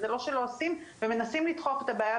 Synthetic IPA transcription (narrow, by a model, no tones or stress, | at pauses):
zelo̞ʃe̞lo̞asimveme̞nasimlit̪χoχet̪abaːja